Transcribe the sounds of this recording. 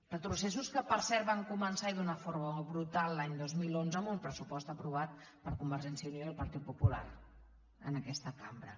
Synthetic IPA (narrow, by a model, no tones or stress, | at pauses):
rət̪ɾusesuskəpəɾsɛɾβaŋkumənsaiðunəfoɾməβɾut̪alˠːaɲd̪ozmilˠonzəmbumpɾəsupɔst̪əpɾuβ̞at̪̚pəɾkumbəɾʒɛnsiəunilˠpəɾt̪it̪̚pupula̰r | ə̰nəkɛst̪əkambɾə